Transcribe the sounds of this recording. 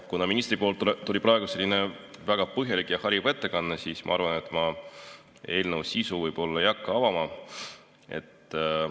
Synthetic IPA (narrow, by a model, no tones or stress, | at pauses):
kunɑminist̪ripo̞ːlt̪t̪ulipɾɑe̞ɡuse̞lːine | væɡ̥ɑpɤɦjɑlikːˑjɑhɑɾjibet̪ˑːe̞kɑnːesiːsmɑ̰ɑɾvɑne̞t̪ːˑmɑ | e̞ːlnəwsːisuvɯjb̥o̞lːɑjɑkːɑɑvɑmɑ | e̞̰t̪ːˑ